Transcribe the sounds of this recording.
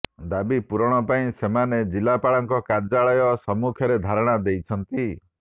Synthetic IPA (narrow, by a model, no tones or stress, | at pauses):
d̪abipuɾɔɽ̃ɔpaĩsemaned͡ʒilapaɭɔŋkɔkaɾd͡ʒaɭɔjɔsɔmukʰjɔɾed̪ʱaɾɔɽ̃ad̪ejt͡ʃʰɔnt̪i